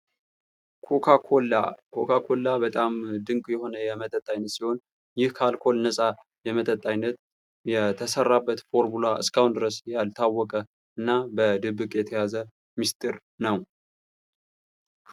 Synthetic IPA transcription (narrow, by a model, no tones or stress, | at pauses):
kʰoa | kʰokʰakʰo̞lːabət̪ʼamd̪ɨŋkʼjɛho̞nəjɛmət̪ʼət̪ʼːajnːət̪siho̞n | jɪhkʰalkʰo̞lnəsʼa | jɛmət̪ʼət̪ʼːajnːət̪̚ | jɛt̪ʰəsərːabːət̪fo̞ɾmulaʔɨ̰skʰawund̪ɨɾəsjalt̪ʰawːɔkʼə | ɨnːabəd̪ɨbːɨkʼjɛt̪ʰəjazə | mist̪ʼɨɾ | nəw